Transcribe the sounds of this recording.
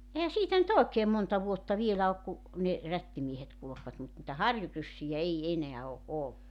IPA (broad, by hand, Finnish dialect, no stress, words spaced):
ehæ siːtæ nyt oˑekeːm montɑ ʋuotːɑ ʋielæ ok ku ne rætːimiehet kulu̞kʋɑt mut nĭtæ hɑrjurysːijæ ei eneæ o ʔolːuk